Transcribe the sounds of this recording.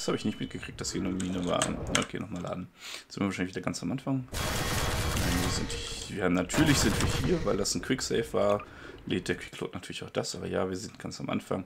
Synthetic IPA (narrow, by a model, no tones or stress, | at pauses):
shaːbəɪçnɪçtmɪt̚ɡ̥əkʁ̥ɪk̚td̥ashiːɐnəmiːnəva̰ːno̰kʰḛːnɔχmaːlʔa̰ːdn̩zɪnvaɐʃaɪlçv̥idɐɡant͡samʔanfaŋ | naɪnviːɐzɪntɪv̥iːɐhaːmnatʰyːɐlɪçz̥ɪntv̥iːɐhiːɐvaɪldasn̩kʰw̥ɪksɛɪfv̥aːɐ | leːt̚d̥eːkv̥ɪkʰlo̰ːtnatʰyːɐlɪçaʊd̥asʔaːbɐ̰ja̰ːviːɐzɪnt̚ɡ̥ansamʔa̰nfa̰ŋ